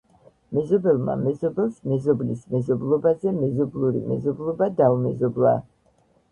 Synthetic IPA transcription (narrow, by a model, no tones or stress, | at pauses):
mɛzɔbɛlˠma̰mɛzɔbɛlˠsmɛzɔblismɛzɔblˠɔbazɛmɛzɔblˠuɾḭmɛ̰zɔblˠɔbad̪aumɛzɔblˠa̰